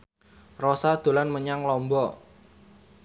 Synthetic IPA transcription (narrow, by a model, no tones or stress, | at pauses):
rosad̪̥o̤lanməɲaŋlɔmbɔ